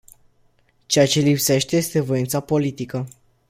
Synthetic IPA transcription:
t͡ʃeat͡ʃe̞lipse̞ʃt̪e̞je̞st̪e̞vo̞int̪sapo̞lit̪ikə

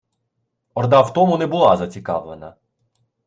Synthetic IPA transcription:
ɔɾd̪awt̪ɔmʊnɛbʊlˠazɐt͡sʲikɑ̰wlˠenɐ

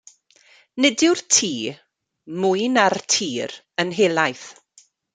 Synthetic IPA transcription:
nɪdɪwrtʰiː | mujnartʰiːɾ | ənɦeːlˠajθ

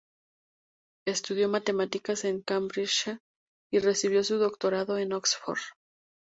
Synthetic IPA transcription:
e̞st̪uð̞jo̞mat̪e̞mat̪ikase̞ŋkambɾit͡ʃ | ire̞siβ̞jo̞suðo̞kt̪o̞ɾaðo̞e̞noksfo̰ɾð

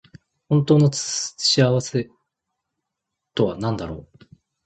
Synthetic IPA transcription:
hõ̞nt̪o̞ːnot͡sɕiaβase̞ | t̪o̞βanãnd̪aɾo̞ː

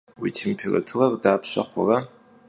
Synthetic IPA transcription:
witʰeːmpʰera̰tʰurardaːpʰɕaχʷa̰ra

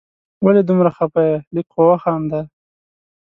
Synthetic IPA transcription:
waled̪umɾaxapajalikqowaxamd̪a

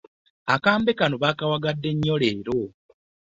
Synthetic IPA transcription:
akaːmbekanoβakawaɡadːe̞ɲːoleːɾo

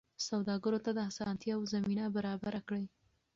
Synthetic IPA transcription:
sawd̪ɑɡəɾot̪ad̪əasɑnt̪jɑawzaminabaɾɑbaɾakɽəj

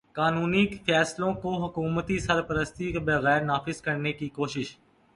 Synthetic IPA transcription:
kaːnuːniːkfʰɛːslõːkoːɦʊkuːmət̪iːsəɾpəɾəst̪iːkbəɣɛːɾnaːfɪzkəɽneːkiːkoːʃɪʃ

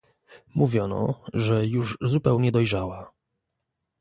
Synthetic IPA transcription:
muvʲjɔnɔ̰ʐɛjuʐzupɛwɲɛd̪ɔjʐawa

